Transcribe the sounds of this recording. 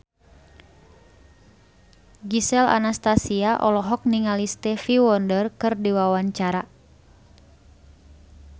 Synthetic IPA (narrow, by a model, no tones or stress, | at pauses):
ɡisɛla̰nast̪asiaʔɔlɔɦɔk̚niŋalist̪ɛfiwɔndərkɨrdiwawaɲt͡ʃaɾa